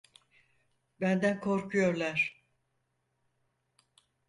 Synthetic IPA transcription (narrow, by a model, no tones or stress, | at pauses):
bænd̪ænkʰo̞ɾkʰujo̞ɾlˠaɾ̥